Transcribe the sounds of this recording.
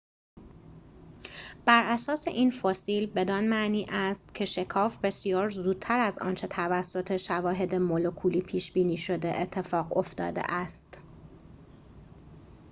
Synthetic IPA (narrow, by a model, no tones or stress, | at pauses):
b̥æɾʔæsɒːse̞ʔiːnfosiːlbe̞d̪ɒnmæʔniːʔæst̪̚cʰe̞ʃe̞kʰɒːfbe̞sijɒːɾzuːd̪̚t̪ʰæɾæzɒ̰ːnt͡ʃʰe̞t̪ʰævæsːo̞t̪ʰe̞ʃævɒːɦe̞d̪emolokʰuːliːpʰiːʃbiːniːʃo̞d̪eʔet̪ʰːe̞fɒːɣo̞̰ft̪ɒ̰ːd̪ḛʔæst̪